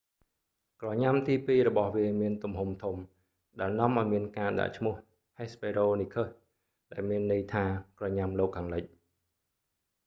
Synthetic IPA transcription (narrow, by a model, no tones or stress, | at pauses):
krɑɲamt̪iːpiːɾɔɓɑhʋiəmiənt̪umɦumt̪ʰum | ɗaɛlnŏəmʔaɔjmiənkaːɗa̰ʔt͡ɕʰmʊ̆əh | heːspeːɾoːnikʰəh | ɗaɛlmiənːɨəjt̪ʰaːkrɑɲamloːkʰːaːŋləc̚